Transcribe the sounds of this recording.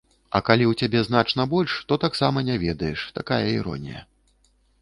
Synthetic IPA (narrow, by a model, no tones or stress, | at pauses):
ɐ̰kalʲiwt͡sʲabʲɛzn̪at͡ʂn̪ɐbɔlʲʂt̪ɔt̪aksamɐnʲavʲɛd̪ɐjɛʂt̪akajɐiɾɔ̰nʲḭjɐ̰